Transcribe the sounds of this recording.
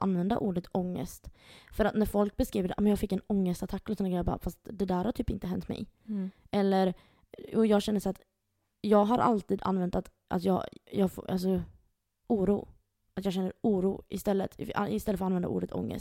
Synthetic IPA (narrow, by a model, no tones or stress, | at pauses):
ʔa̰nvɛnd̪a̰ʔuːɖət̪ɔŋːə̰st̪fœɾat̪næɾfɔlk̚bɛskɾiːvəɖɛʔmɛnjɑːfɪkːɛnɔŋːəst̪at̪ʰakːɔlɪsɔnːɡɾɛjabɑ̰ːfast̪d̪ɛd̪æːɾhatʰyːpɪ̰nt̪əɦɛnt̪mɛ̰jʔɛlːəɾ | jṵːjɑːɡɕɛnːəʂat̪ | jɑːɡɦaɾʔa̰lt̪iːd̪a̰nvɛnt̪at̪ | ʔa̰t̪jɑːjɑːɡfʔa̰ls̬ɔ | uːɾṵː | at̪jɑːɡɕɛnːəɾuːɾṵːɪst̪ɛlːət̪ʰaɪst̪ɛlːfɔɾanvɛnd̪aʔṵːɖət̪ʰɔ̰ŋːə̰st̪